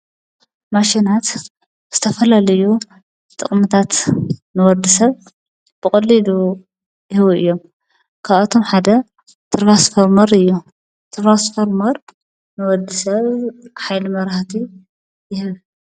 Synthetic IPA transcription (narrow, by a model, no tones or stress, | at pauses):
maʃinat̪ | z̥ɨt̪ʰɐfɐlalɐju | t̪ʼɨχʼmɨt̪ʰat̪nɨwɔd̪isɐβ | b̥ɨχʼɐlːilu | jɪhβuɨjːo̞m | kʰaβɐt̪ʰo̞mħad̪ɐ | t̪ʰɨɾβasfoɾmɐɾɨjːu | t̪ʰɾɾasfoɾmɐɾ | nɨwɔd̪ɨsɐβħajlimɐɾaht̪ʰi | jɪhɨβ